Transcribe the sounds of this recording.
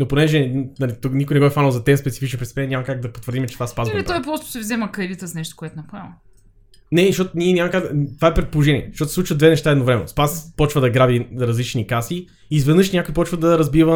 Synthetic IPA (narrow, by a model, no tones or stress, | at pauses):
noponɛʒɛnɐlit̪oknikʊinɛɡɔɛfanlˠzɐt̪ɛnspɛt̪sifit͡ʃnpɾɛt̪ɛ̥pɛnɛnʲamɐkaɡ̚d̪ɐpot̪vəɾd̪imɛt͡ʃɛt̪vaspazvɛlit̪ɔjpɾɔst̪ʊ̥sɛvzɛməkɾɛd̪it̪əsnɛʃt̪o̥koɛt̪ʊnɐpɛmɐ | nɛʃtɔt̪ʊniɛnʲamɐkaɡ̪t̪ovaɛpɾɛt̪̚polˠoʒɛnʲiɛ̰ʃot̪sˠut͡ʃvəd̪vɛnɛʃt̪aɛd̪ovɾɛmɛ̰no̰spaspɔt͡ʃvəd̪ɐɡɾabiɾɐzlit͡ʃnikasi | izvɛd̪nɤʃnʲakoipɔt͡ʃvəd̪ɐɾɐzbivə